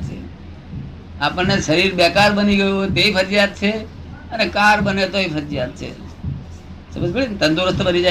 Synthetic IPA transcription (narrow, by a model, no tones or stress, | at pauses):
t͡ʃʰḛ | apəɳneʃəɾiɾbɛkaɾbəniɡəjoɦojt̪eipʰəɾjad̪̚t͡ʃʰe | ənekaɾbənet̪oipʰəɾjad̪̚t͡ʃʰḛ | sə̰məd͡ʒbeɭint̪ə̃nd̪oɾəst̪obənid͡ʒa